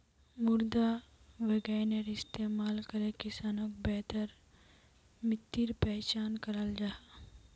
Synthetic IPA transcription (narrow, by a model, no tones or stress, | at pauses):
mʊɾd̪a | ʋeɡɛːneɾɪst̪eːmaːlkɐɾekɪsaːnõːkbɛːt̪əɾ | mɪt̪ːiɾpɛːt͡ʃaːnkɐɾəld͡ʒaɦa